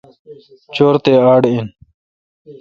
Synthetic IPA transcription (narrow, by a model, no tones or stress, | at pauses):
t͡ɕoːɾt̪eːaːɖin